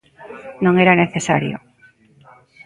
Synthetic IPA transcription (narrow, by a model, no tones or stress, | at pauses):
nõŋeɾaneθesa̰ɾjʊ̰